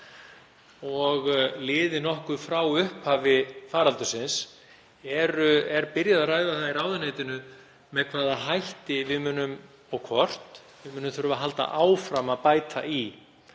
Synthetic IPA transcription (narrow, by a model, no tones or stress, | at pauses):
ɔɣlɪːðɪnɔhkʏfɾawʏhphaːvɪfaːɾalt̪ʏsɪns | ɛɾʏɛɾpɪɾjaðaraːjðaθairaːwðʏneːjt̪ɪnʏ | mɛðkʰvaːðaɦajht̪ɪvɪmʏːnːʏm | ɔɣkʰvɔr̥t̪ | vɪmʏːnʏmθʏɾʏvaɦalt̪a̰ʔaːwfɾamaðpaːjt̪a̰ʔi